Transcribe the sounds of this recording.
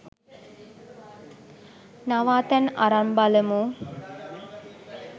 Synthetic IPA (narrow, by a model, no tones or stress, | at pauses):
naʋaːt̪æna̰ɾambaləmu